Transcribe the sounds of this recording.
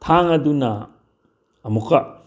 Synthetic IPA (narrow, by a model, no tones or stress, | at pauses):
t̪ʰaŋɐdunɐ̰ | ɐmuka